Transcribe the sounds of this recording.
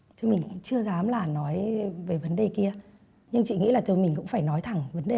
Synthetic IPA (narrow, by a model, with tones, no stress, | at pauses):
t̪ʰɨ˧˦mï˨˩ŋ̟t͡ɕɨ˧əzaː˨˦mlaː˨˩nɔ˨˦jve˨˦jvə˨˦nɗe˨˩ki˧ə | ɲɨ˧ŋt͡ɕḭ˧˨ŋḭ˧˥laː˨˩t̪ɨ˧jmï˨˩ŋ̟kʊ̰˧˥ŋ͡mfaː˧˩jnɔ˨˦jt̪ʰa˨˧˩ŋvə˨˦nɗe˨˩